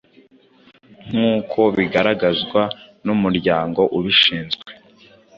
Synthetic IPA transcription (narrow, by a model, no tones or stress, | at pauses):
ŋ̥uːkʰo̞βiɡaɾaɡazɡwanumuɾɟaːŋɡo̞ʔuβiʃiːnzɡwwe